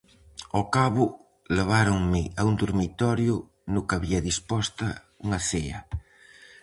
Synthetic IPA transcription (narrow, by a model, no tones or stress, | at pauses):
ɔkaβʊ | leβ̞aɾoŋmɪaund̪uɾmit̪ɔɾjʊ | nʊkaβiɐðispɔst̪ɐ | uŋɐθeɐ